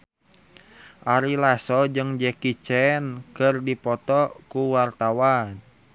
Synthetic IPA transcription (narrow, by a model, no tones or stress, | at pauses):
ʔaɾilasɔd͡ʒɨŋd͡ʒɛkit͡ʃɛnkərdipɔt̪ɔkuwart̪awan